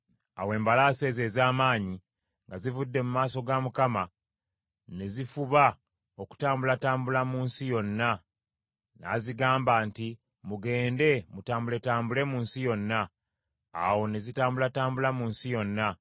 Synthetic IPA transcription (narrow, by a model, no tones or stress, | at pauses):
a̰we̞ːmbalaːse̞ːze̞ːzaːmaːɲi | ŋɡazivudːe̞mumaːso̞ɡamukama | ne̞zifuβa | o̞ku̥taːmbulataːmbulamuːnsijo̞nːa | na̰ziɡaːmbaːnti | muɡe̞ːnde̞mutaːmbule̞taːmbule̞muːnsijo̞nːa̰ː | wo̞ne̞zitaːmbulataːmbulamuːnsijo̞nːa